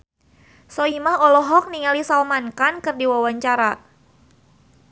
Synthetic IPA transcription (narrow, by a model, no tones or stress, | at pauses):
sɔimahɔlɔɦɔk̚niŋalisalmankankɨrdiwawaɲt͡ʃaɾa